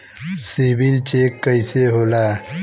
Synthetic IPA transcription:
sibilt͡ɕekːəjseɦola

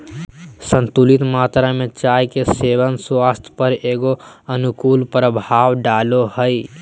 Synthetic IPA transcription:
sə̃nt̪ulit̪maːt̪ɾamẽt͡ʃaːjkeseʋənswaːst̪ʰpəɾeːɡoənʊkuːlpɾəbʱaːwɖaːlohəi

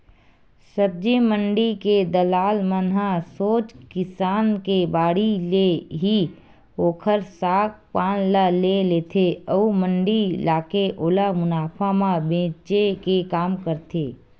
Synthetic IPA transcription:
səb̚d͡ʒemə̃ɳɖiked̪əlaːlmənɦãsoːt͡ʃkɪsaːnkebaːɽileɦi | oːkʰəɾsaːk̚paːnlaleleːt̪ʰeəumə̃ɳɖilaːkeʔoːlamʊnaːpʰamãbẽːt͡ʃekekaːmkəɾt̪ʰeː

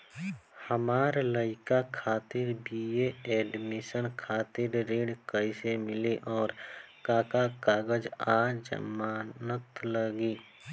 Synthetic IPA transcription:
həmaːɾləɪkakʰaːt̪ɪɾbʱijeɛːɖmɪsənkʰaːt̪ɪɾɾeːɽkəisemɪliʔɔːɾkaːkakaːɡəd͡ʒaːd͡ʒə̰maːnət̪ləɡiː

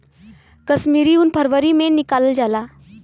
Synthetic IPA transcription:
kəsmiːɾiuːnpʰəɾʋəɾimẽnikald͡ʒala

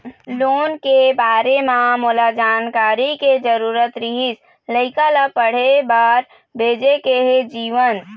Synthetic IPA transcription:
loːnkebaːɾemãmʊlad͡ʒaːnkaːɾiked͡ʒəɾuːɾət̪ɾiɦis | ləɪkalapəɽ̤ebaːɾ | bʱeːd͡ʒekeɦed͡ʒiːʋən

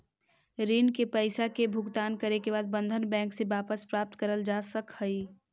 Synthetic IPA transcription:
ɾiːnkepəɪsakebʱʊɡt̪aːnkəɾekeβaːd̪̚bə̃nd̪ʱənbɛ̃ːŋksebaːpəspɾaːp̚t̪kəɾəld͡ʒaːsəkhəi

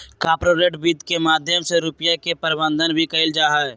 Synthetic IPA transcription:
kaːpɾoɾeːʈbiːd̪kemaːd̪ʱjəmseɾʊpjakepəɾɪbə̃nd̪ʱənbʱikəɪld͡ʒaːɦaɛ

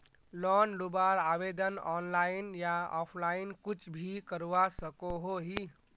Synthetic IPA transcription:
lɔnlubaɾabed̪ənɔnlainjaɔ̰pʰlainkut͡ʃʰbʱikəɾʋasəkoɦoɦi

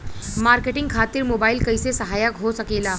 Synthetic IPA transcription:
maɾkeʈiŋɡkʰat̪iːɾmobailkəjsesəɦajəkɦosəkela

